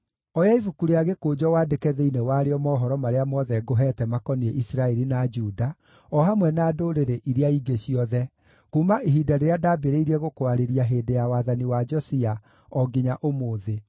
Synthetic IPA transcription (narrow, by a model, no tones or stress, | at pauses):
ɔjaivukuɾeaɣekoːd͡ʒɔwaːdekɛðeinewaɾeɔmɔːɦɔɾɔmaɾeamɔðɛɡoɦɛːtɛmakɔnieʔisɾaɛɾinad͡ʒuda | ɔɦamwɛnaːdoɾeɾeʔiɾeaiɡeɕiɔðɛ | kuːmaʔiɦidaɾeeadabeɾeiɾɛɣokoaɾeɾiaɦeːdejawaðaniwad͡ʒɔsia | ɔɡiɲaʔomoːðe